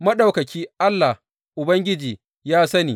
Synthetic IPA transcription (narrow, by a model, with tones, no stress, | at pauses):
mɐ˦ɗa˨wkɐ˨kʲiː˦ʔa˦lːa˨h | ʔʊ˨bɐ˦ŋɡʲɪ˦d͡ʒiː˨ | jaː˦sɐ˦niː˨